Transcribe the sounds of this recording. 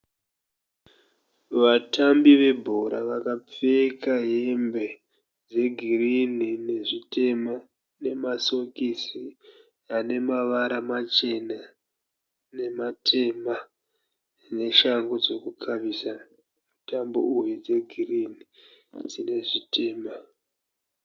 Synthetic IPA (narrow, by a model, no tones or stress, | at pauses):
ʋatambiʋe̞bʱoɾaʋakap͡fekaɦembe̞ | d͡ze̞ɡʱirinine̞ʐite̞mo | ne̞maso̞kisi | ane̞maʋaɾamat͡ʃe̞na | ne̞matʰe̞ːma | ne̞ʃaŋɡod͡zo̞kukʰaʋisa | mutambo̰ujed͡ze̞ɡʱirinid͡zine̞ʐitʰe̞ːma